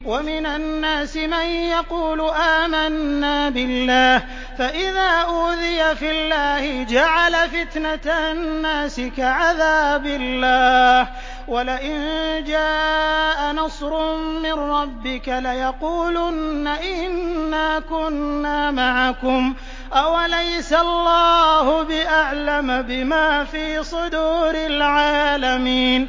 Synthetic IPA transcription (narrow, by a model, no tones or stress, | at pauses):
wamɪnanːaːsɪmanjɑquːlʊʔaːmanːaːbɪlːaːh | faʔɪðaːʔuːðɪjafilːaːhɪd͡ʒaʕalafɪt̪nat̪anːaːsɪkaʕaðaːbɪlːaːh | walɪʔɪnd͡ʒaːʔanɑsˤɾʊmmɪnɾˤɑbːɪkalajɑquːlʊnːaʔɪnːaːkʊnːaːmaʕakʊm | ʔawalajsaɑlːɑːhʊbɪʔaʕlambɪmaːfiːsˤʊd̪uːɾɪlʕaːlamiːn